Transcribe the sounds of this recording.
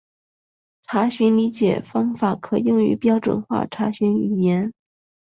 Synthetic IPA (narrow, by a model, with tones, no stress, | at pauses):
ʈ͡ʂʰa˧˥ɕy˧˥nli˧˥t͡ɕjɛ̰˨˩fɑ˥ŋfa˨˩˥kʰɤ˨˩jʊ˥˩ŋy̰˧˥pjɑ˥ʊʈ͡ʂwə̰˨˩nxwa̰˥˩ʈ͡ʂʰa˧˥ɕy˧˥ny̰˨˩jɛ˧˥n